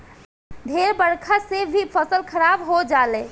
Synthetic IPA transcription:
d̪ʱeɾbəɽkʰasebʱipʰəsəlkʰəɾabɦod͡ʒaːleː

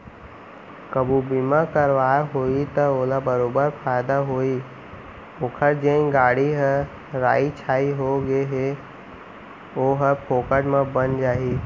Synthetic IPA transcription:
kəbubimakəɾʋaːɦoit̪əoːlabəɾoːbəɾpʰaːɪd̪aɦoːi | oːkʰəɾd͡ʒeĩɡaːɽiɦə | ɾa̰ːit͡ʃʰaːiɦoɡeɦe | oːɦəpʰoːkəʈmẽbənd͡ʒaːɦi

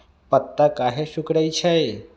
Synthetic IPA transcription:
pət̪ːakaɦeʃukɽəjt͡ʃʰae

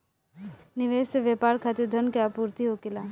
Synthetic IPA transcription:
nɪʋeːseʋjepaːɾkʰat̪id̪ʱənkjaːpuːɾt̪iɦokilaː

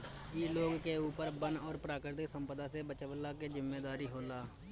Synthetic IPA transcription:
jeːloːɡkeuːpəɾbənɔːɾpɾaːkɪɾt̪ɪksəmpəd̪ãːsebət͡ʃʋəlːaːkeːd͡ʒɪmːeːd̪aːɾiːɦoːlaː

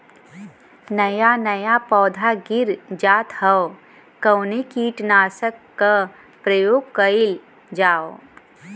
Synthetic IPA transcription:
nɐjanəjapɔːd̪ʱaɡɪɾd͡ʒaːt̪həo | kəwnekiːʈnaːsəkːa | pɾəjoːɡ̚kəɪl | d͡ʒaːo

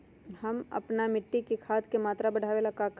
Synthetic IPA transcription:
hɐmɐ̰pnamɪʈːikekʰaːt̪kemaːt̪ɾabɐɽ̤ʱaːʋelakak

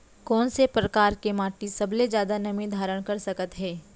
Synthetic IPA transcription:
kɔːnsepɾɐkaːɾkemaːʈisɐbled͡ʒjaːd̪anɐmid̪ʱaːɾəɽ̃kɐɾsɐkət̪ɦɛː

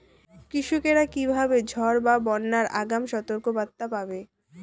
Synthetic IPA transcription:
kɾiʃukeɾakibʱabed͡ʑʱɔɾbabɔnːaɾaɡamʃɔt̪oɾkobat̪ːapabe

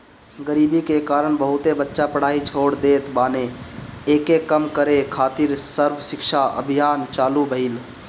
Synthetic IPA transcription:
ɡəɾiːbikekaːɾəɳ̃bəɦʊt̪ebətːʃapəɽ̤aːit͡ʃʰoːɽd̪eːt̪baːneeːkekəmkəɾekʰaːt̪iɾsəɾʋəsɪkʃaə̰bʱijaːnt͡ʃaːlubʱəil

